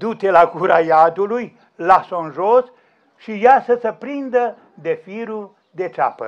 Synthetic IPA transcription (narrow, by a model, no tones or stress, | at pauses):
d̪ut̪elaɡuɾajad̪uluj | lasonʒos | ʃijasəsəpɾind̪ə | d̪e̞fiɾu | d̪e̞t͡ʃa̰pə̰